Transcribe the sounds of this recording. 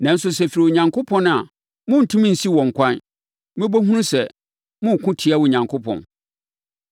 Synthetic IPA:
nã˨n̩˦s̬ʊ˦sɛ˨fi˨ɾi˨wo˨ɲã˨ŋkʰʊ˦pʰɔ̃˦ña˨ | mʊ̃˦n̩˨tʰʊ̃˦mĩ˦n̩˨si˦wɔ̃˨ŋ̩˨kʷã˦n | mɪ̃˦bo˦ɦũ˦ũ˦sɛ˨ | mʊ̃˦˨kʷʰʊ̃˦tʰɪ˨˦a˦wɔ˨ɲã˨ŋkʰʊ˦pʰɔ̰̃˨n

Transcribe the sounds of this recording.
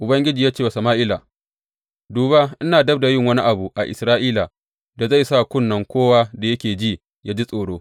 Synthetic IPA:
ʔʊ˨bɐ˦ŋɡʲɪ˦d͡ʒiː˨jaː˦t͡ʃeː˦˨a˨sɐ˨maː˦ʔɪ˦la˨ | duː˨ba˦ʔɪ˦naː˨dɐ˦b̚da˨jɪ˦˨ŋwɐ˦ni˦ʔa˨bu˨ʔa˨ʔɪ̰˨sɾaː˦ʔiː˦la˨ | da˨za˦˨jsa˦˨kʷʊ˦nːɐ˨ŋkʷoː˦waː˦da˨jɐ˦kʲeː˨d͡ʒi˦˨ | jaː˦d͡ʒi˦sʼoː˨ɽoː˦

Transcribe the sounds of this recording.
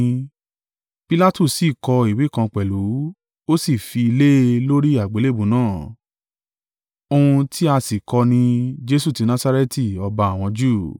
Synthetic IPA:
pi˦la˦tu˦˨si˦˨kɔ˧i˨wi˨˦˨kã˧k͡pɛ˨lu˨˦ | o˦si˦˨fi˧i˧le˦˧lo˦ɾi˦a˦˨ɡ͡be˨˦le˦˨bũ˨˦nãː˦˨ | o˧ũ˧tʰi˦a˧si˨kɔ˧nĩ˧d͡ʒe˦su˦˨ti˨˧nã˦sa˦ɾɛ˦ti˦˨ɔ˧ba˧a˨w̃ɔ̃˧d͡ʒu˦˨

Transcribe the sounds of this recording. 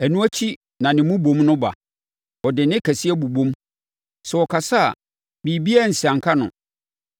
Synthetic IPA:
æ˨nũ˦æ˦t͡ɕʰi˦ | nã˨nɪ̃˨mũ˦bõ˨˦mnʊ̃˦ba̰˨ | ɔ˨dɪ˨nɪ̃˦kʰæ˨si˦æ˦bu˨bõ˦m | sɛ˨ɔ˨kʰa˨sa˦a̰˨ | bi˨bi˦æ˦˨n̩˨si˨ã˨ŋ˨kʰa˦nʊ̰̃˨

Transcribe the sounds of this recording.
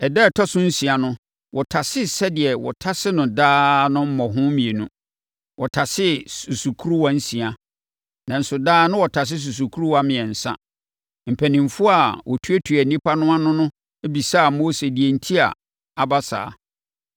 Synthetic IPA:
ɛ˨dɛ˦˨tʰɔ˦sʊ̃˦n̩˦sĩ˨a˨nʊ̃˦ | wɔ˨tʰa˨sɪ˦sɛ˦dɪ˨ɛ˨wɔ̰˨tʰa˦sɪ˦nʊ̃˨daː˦nʊ̃˦m̩˦mɔ̃˨ɦʊ̃˦mĩ˨e˨nũ˦ | wɔ˨tʰa˨sɪ˦su˨su˨kʰu˦ɾu˦wa˦n̩˦sĩ˨a˨ | nã˨n̩˦sʊ˨daː˦nʊ̃˦wɔ˨tʰa˨s̬ɪ˦s̬u˨s̬u˨kʰu˦ɾu˦wa˦mɪ̃˨ɛ˨n̩˨sã̰˦ | m̩˨pʰæ˨nĩ˨mfʊ˦a˨wʔɔ˨tʰu˦æ˦tʰu˨æ˨nĩ˦pʰa˦nʊ̃˦a˦nʊ̃˦nʊ̃˦ | e˦bi˨saː˦˨moː˦se˨di˨e˨n̩˦tʰi˦a̰˨ | a˨ba˦sa̰ː˨

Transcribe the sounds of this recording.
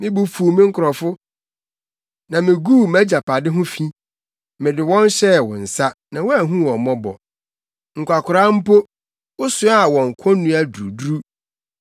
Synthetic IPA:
mɪ̃˦bu˦fu˨mɪ̃˦ŋ̩˦kʰʊ˨ɾɔ˨fʊ˦ | nã˨mɪ̃˨ɡu˦˨mæ˦d͡ʑa˨pʰa˨dɪ˦ɦʊ̃˦fĩ˦ | mɪ̃˨dɪ˨wɔ̃˦n˦ɕɛ˦˨wɔ̰̃˨n̩˨sa˦nã˨wɔ˦a˨ɦũ˦wɔ̃˨mɔ̃˦bɔ̰˨ | ŋ̩˨kʷa˨kʰʊ˨ɾa˦m̩˦po˦ | ʊ˦sʊ˦a˦˨wɔ̃˨ŋ̩˨kʰɔ̃˦nːũ˦a˦du˨u˨du˦ɾu˦

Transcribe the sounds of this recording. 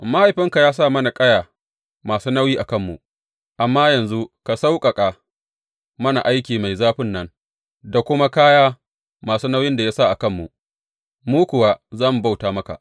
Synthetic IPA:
ma˦ha˨jɸɪ˦ŋka˨jaː˦s̬a˦˨mɐ˦na˨kʼɐ˦jaː˨ | maː˨suː˦nɐ˦wjiː˦ʔa˨kɐ˦mːṵ˨ʔ | ʔa˨mːaː˦jɐ˨nzu˦ka˨sa˦wkʼɐ˨kʼa˨ | mɐ˦na˨ʔa˦jkʲiː˨ma˨jzaː˦ɸɪ˦nːɐ˦n | da˨kʷʊ˦ma˦kaː˦jaː˦ | maː˨suː˦nɐ˦wjɪ˦nda˨ja˦sa˦˨ʔa˨kɐ˦˨mːṵ˨ | muː˦kʷʊ˨wa˦zaː˦˨mu˨ba˦wtaː˨mɐ˦ka̰˨ʔ

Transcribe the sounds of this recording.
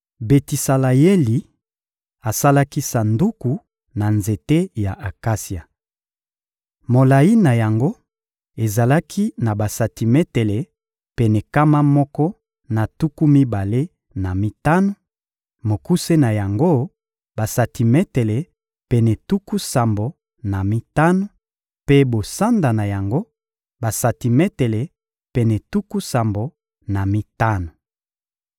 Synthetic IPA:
be˨ti˨sa˨la˨je˦li˨ | a˨sa˦la˦ki˦sa˨ndu˦ku˨ | na˨nze˨te˦ja˨ʔa˨ka˦sja˨ | mo˨la˨ji˦na˨ja˨ŋɡo˦ | e˨za˨la˦kʰi˦na˨ba˨sa˨ti˨mɛ˦te˨le˨ | pe˨nɛ˨ka˦ma˦mɔ˦kɔ˦ | na˨tu˦ku˦mi˦ba˨le˦ | na˨mi˦ta˦no˨ | mo˨ku˦se˦na˨ja˨ŋɡo˦ | ba˨sa˨ti˨mɛ˦te˨le˨ | pɛ˨nɛ˨tu˦ku˦sa˨mbo˨ | na˨mi˦ta˦no˨ | pe˦bo˨sa˦nda˨na˨ja˨ŋɡo˦ | ba˨sa˨ti˨mɛ˦te˨le˨ | pɛ˨nɛ˨tu˦ku˦sa˨mbo˨ | na˨mi˦ta˦no˨

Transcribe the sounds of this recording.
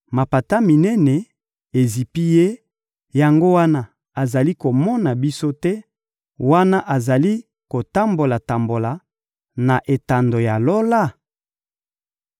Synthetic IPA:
ma˨pa˨ta˦mi˨nɛ˦nɛ˨ | e˨zi˨pi˦je˦ | ja˨ŋɡo˦wa˦na˦ | a˨za˨li˦ko˨mɔ˦na˨bi˦so˦tɛ˦ | wa˦na˦ʔa˨za˨li˦ | ko˨ta˦mbo˨la˨ta˨mbo˨la˨ | na˨ʔe˨ta˨ndo˨ja˨lo˦la˦˨

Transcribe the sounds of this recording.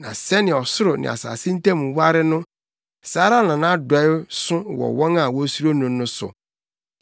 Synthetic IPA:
nã̰˨sɛ˦nɪ̃˨ɔ˨sʊ˦ɾʊ˨nɪ̰̃˨a̰˨sa̰ː˨sɪ̃˦n̩˦tʰɛ˦˨mũ˨wa˦ɾɪ˦nʊ̃˦ | saː˦ɾa˦nã˨nã˦dɔ˨ɪ˦sʊ̃˦wɔ̰˨wɔ̃˦ŋa˨wɔ˦su˦ɾo˦nʊ̃˨nːʊ̃˦sʊ̰˨

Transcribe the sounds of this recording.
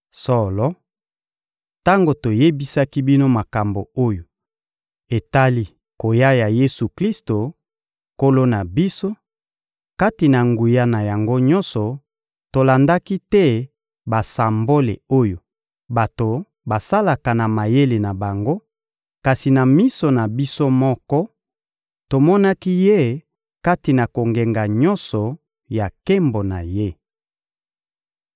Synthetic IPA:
sɔ˦lɔ˦ | ta˦ŋɡo˨to˨je˦bi˦sa˦ki˦bi˦no˦ma˨ka˨mbo˨o˦jo˨ | e˨ta˦li˦ | ko˨ja˦ja˨je˦su˨kli˦sto˨ | ko˦lo˦na˨bi˦so˦ | ka˦ti˨na˨ŋɡu˨ja˦na˨ja˨ŋɡo˦ɲɔ̃˦nsɔ˨ | to˨la˨nda˦ki˦tɛ˦ | ba˨sa˨mbo˦lḛ˨o˦jo˨ | ba˨to˨ | ba˨sa˦la˨ka˨na˨ma˨je˦le˨na˨ba˨ŋɡo˦ | ka˨si˨na˨mi˦sɔ˨na˨bi˦so˦mɔ˦kɔ˦ | to˨mɔ˦na˦ki˦je˦˨ | ka˦ti˨na˨ko˨ŋɡe˨ŋɡa˨ɲɔ˦nsɔ˨ | ja˨ke˦mbo˨na̰˨je˦

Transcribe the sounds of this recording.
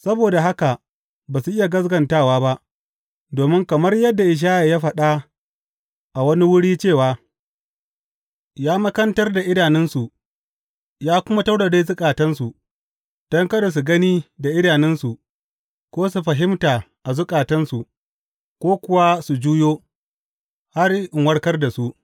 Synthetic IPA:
sɐ˦boː˨da˨ɦa˦ka˨ | baː˨su˨ʔɪ˦ja˨ɡɐ˦s̬ɡɐ˨ntaː˦˨waː˦ba˦ʔ | doː˨mɪ˦ŋkɐ˨mɐ˦rjɐ˦dːa˨ʔɪ˨ʃ̬aː˦ja˨jaː˦ɸɐ˨ɗa˦ | ʔa˨wɐ˦ni˦wʊ˦ɽiː˦t͡ʃeː˦˨waː˨˦ | jaː˦mɐ˦kɐ˦ntɐ˦rda˨ʔɪ˦daː˨nɪ˦nsu˨ | jaː˦kʷʊ˦ma˦ta˦wɽa˨deː˦zʊ˦kʼaː˨tɐ˦nsu˨ | d̥ɐ˦ŋkɐ˦do˨s̬u˨ɡɐ˦niː˦da˨ʔɪ˦daː˨nɪ˦nsu˨ʔ | kʷoː˦s̬u˨ɸɐ˨ɦɪ˦mtaː˨ | ʔa˨zʊ˦kʼaː˨tɐ˦nsu˨ʔ | kʷoː˦kʷʊ˦wa˦su˨d͡ʒuː˦joː˦ | ha˦rɪ˨ŋwɐ˦ɽkɐ˦rda˨su˦ʔ

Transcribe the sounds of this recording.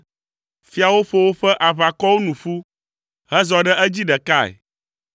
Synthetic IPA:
fi˦a˨wo˦ɸo˨wo˦ɸɛ˦ʔa˨βa˨kɔ˦wo˦nũ˨ɸu˦ | ɦɛ˦zɔ˨ɖɛ˦ɛ˦d͡ʑi˦ɖɛ˨ka˦ɛ̰˨

